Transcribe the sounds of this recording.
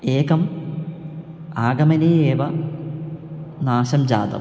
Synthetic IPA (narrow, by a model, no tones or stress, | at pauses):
eːkɐm | aːɡɐmɐneeːʋɐ | naːɕɐmd͡ʑa̰ːd̪ɐ̰